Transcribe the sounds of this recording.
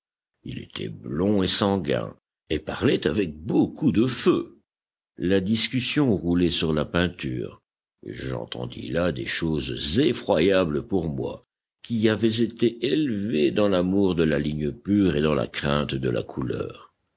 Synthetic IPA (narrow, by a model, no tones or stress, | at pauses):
ḭlḛt̪ʰɛ̰blɔ̃esɑ̃ɡɛ̰̃ | epaʁlɛt̪avɛk̚bokud̪əfø | lad̪iskʲysjɔ̃ʁulɛsyʁlapɛ̃t̪y̰ːʁ | ʒɑ̰̃t̪ɑ̰̃d̪ḭlad̪ḛʃozzefχwajabləpuʁmwa̰ | kʲiavɛzet̪eʔelved̪ɑ̃lamuʁd̪əlaliɲəpyʁed̪ɑ̃la̰kχɛ̃t̪d̪əla̰kʰulœ̰ʁ